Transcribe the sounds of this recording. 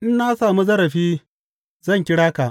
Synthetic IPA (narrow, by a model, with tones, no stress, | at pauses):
ʔɪ˦nːaː˦saː˨mu˦zɐ˦ɾɐ˨ɸiː˦ | zɐ˦˨ŋkʲɪ˦ɽaː˦ka˨ʔ